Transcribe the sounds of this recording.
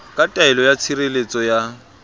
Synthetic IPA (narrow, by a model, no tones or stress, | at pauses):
kʼatʼaɪlɔjat͡sʰirelet͡sʼɔja